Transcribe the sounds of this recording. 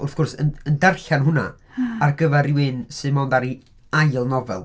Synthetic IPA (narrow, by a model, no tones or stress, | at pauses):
ʊθɡ̥ʊrsə̰əndɛrɬanɦʊna̰ | arɡəvɛɾɪwɪnsɨðmoːndaɾi | ajlˠnɔvɛ̰lˠ